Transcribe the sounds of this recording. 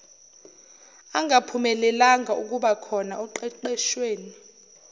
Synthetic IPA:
aŋɡʱapʰumɛlɛlaŋauk̬ʼuɓakʰɔnauǃɛǃɛʃweːni

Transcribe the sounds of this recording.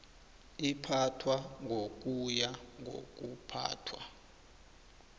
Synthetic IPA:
ipʰatʰwaŋʱok̬ʼujaŋʱo̰k̬ʼupʰa̰ːtʰwa̰

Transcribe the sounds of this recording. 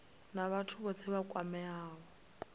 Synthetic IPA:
naβatʰuβɔt͡sʰɛβakʼwamɛaːɣɔ

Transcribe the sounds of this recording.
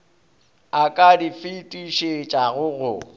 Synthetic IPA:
akʼadifitʼiʃet͡ʃʼaɣʊɣʊ̰

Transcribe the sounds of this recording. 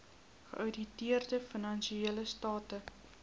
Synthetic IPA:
χə̰ʔœɥditiərdəfənɐnʃieələstɑːtə

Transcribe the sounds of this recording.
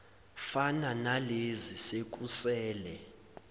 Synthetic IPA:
fananalezisek̬ʼusɛːlɛ

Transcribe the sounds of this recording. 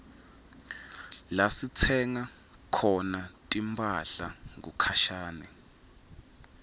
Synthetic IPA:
lasit͡sʰɛŋa | kʰɔnatʼimpʰʼaɬa̰ŋɡṵkʰaʃaːnɛ̰

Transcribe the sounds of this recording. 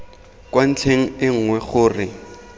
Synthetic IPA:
kwan̩t͡ɬʰeŋ̩ɪŋ̩ŋwɛχʊːrɪ

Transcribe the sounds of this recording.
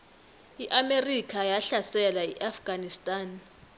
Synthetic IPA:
iʔamerikʰajaɬasɛlaiʔafɡ̥ʱanistʼaːn

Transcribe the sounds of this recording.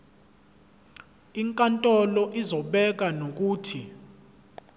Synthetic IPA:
iŋkʼantʼɔlɔʔizɔɓɛk̬anok̬uːtʰi

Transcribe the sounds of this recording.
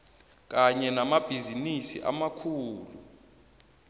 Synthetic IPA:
k̬ʼaɲɛnamab̥ʱizinisḭʔa̰makʰuːlṵ

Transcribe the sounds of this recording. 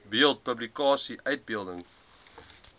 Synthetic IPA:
biəlˠt̚pəblikɑːsiʔœɥt̚biəlˠdəŋ

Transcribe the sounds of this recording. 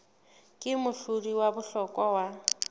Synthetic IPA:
kʼɪmʊɬʊriwabʊɬɔkʼɔwa

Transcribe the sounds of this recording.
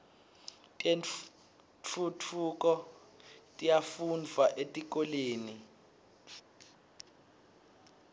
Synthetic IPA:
tʼen | t͡fʰutʰukʼɔ | tʼijafund͡vʱaʔetʼik̬ʼoleːni

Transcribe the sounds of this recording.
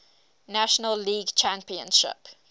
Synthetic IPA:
næʃənəlːiːɡt͡ʃʰæ̃mpiə̰̃nʃɪ̰p

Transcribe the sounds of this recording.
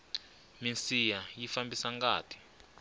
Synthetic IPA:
minsijajifambisaŋɡaːtʰi̥

